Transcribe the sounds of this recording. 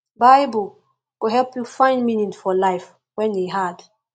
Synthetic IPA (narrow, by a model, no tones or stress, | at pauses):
baɪbul | kuɦɛlpjufãɪ̃nminĩnfɔlaɪf | wɛ̃ndeɦad